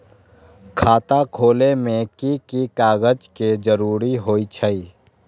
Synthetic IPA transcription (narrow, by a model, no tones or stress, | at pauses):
kʰaːt̪akʰoːlemẽkikikaːɡəd͡ʒked͡ʒəɾuːɾiɦoːit͡ʃʰəiː